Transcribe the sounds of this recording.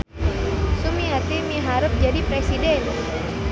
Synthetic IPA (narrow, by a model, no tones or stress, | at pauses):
sumiat̪imiɦaɾəp̚d͡ʒadipɾesidɛn